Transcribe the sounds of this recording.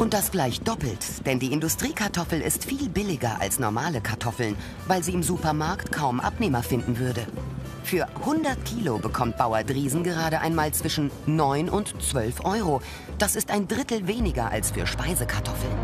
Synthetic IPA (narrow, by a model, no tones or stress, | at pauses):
ʔʊnt̚d̥asɡ̥laɪçd̥ɔpl̩td̥ɛndiːɪndʊstʁ̥iːkʰaɐtʰɔfl̩ɪ̰stfiːlbɪlɪɡɐʔa̰lsnɔɐmaːləkʰaɐtʰɔfl̩n | vaɪlziːɪmzuːpɐmaɐktkʰaʊmʔa̰pneːmɐfɪndn̩vʏɐdə | fyːɐhʊndɐtkʰiːlobəkʰɔmt̚b̥aʊɐdʁiːzn̩ɡəʁ̞aːɾəʔa̰ɪnmaːlt͡sv̥ɪʃn̩nɔʏnʊntt͡sv̥œlfʔɔʏʁo | d̥asɪstaɪndʁɪtl̩veːnɪɡɐʔa̰lsfyːɐʃpaɪzəkʰaɐtʰɔfl̩n